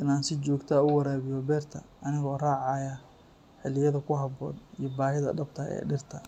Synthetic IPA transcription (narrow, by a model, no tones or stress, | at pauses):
ʔɪnaːnsɪt͡ʃɔːɡt̪ʰaʊwɐɾaːβɪjɔbɛːrt̪ʰɐ̰ɐnɪɣɔːraːʕɑjɐ | ħɪlɪjɐðɐkʰʊɦɐbɔːd̪ijɔbaːɦɪðɐ̰ɖɐbt̪ʰɐɛ̰ːɖɪrt̪ʰɐ